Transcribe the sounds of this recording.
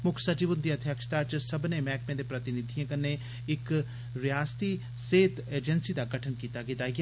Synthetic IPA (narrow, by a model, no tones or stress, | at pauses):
mʊkʰsət͡ʃibʊnd̪iːəd̪ʰʱjəkʃt̪aːt͡ʃsəbneːmɛ̃ːkmẽd̪eːpɾət̪ɪnɪd̪ʱijãːkənːeː | ɪk | ɾɪjaːst̪iː | seːt̪eːd͡ʒənsiːd̪aːɡəʈʰənkiːt̪aːɡɪt̪aːɡ